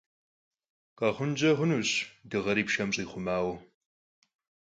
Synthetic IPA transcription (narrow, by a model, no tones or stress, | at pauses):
qʼɐʁʷʊnd͡ʒɐʁʷʊnuːɕdɨʁɐɾiːpʃɐmɕʼiːχʷʊmaːwɐ